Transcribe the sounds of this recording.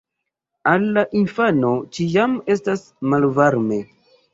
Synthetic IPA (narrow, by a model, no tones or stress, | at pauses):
alːaʔinfano̞t͡ʃijame̞stas | malvaɾme̞